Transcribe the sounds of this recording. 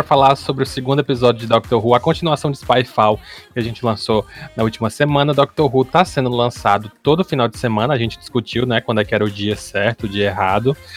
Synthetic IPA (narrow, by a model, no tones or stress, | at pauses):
ɾɐfalaɾsobɾɪʊsɪɡũnd̪ʊepizɔd͡ʒɪʊd͡ʒɪd̪ɔk̚t̪oɾɦuɐkõt͡ʃinuasɐ̃w̃d͡ʒɪspajfawkɪaʒẽnt͡ʃɪlɐ̃sonɐut͡ʃimɐsemɐ̃nɐd̪ɔk̚t̪oɾɦut̪asẽnd̪ʊlɐ̃sad̪ʊt̪od̪ʊfinawd͡ʒɪsemɐ̃nɐaʒẽnt͡ʃɪ̥d͡ʒɪ̥skut͡ʃiwnɛkwɐ̃d̪ʊɛkɪɛɾɐʊd͡ʒiɐsɛɾt̪ʊːd͡ʒiɐɐeɦad̪ʊ